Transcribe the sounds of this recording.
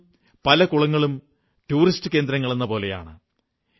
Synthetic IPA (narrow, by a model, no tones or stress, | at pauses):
pɐlɐkuɭɐŋːɐɭum | ʈuːɾistɨke̞ːnd̪ɾɐŋːɐɭe̞nːɐpo̞ːle̞ja̰ːɳɨ̰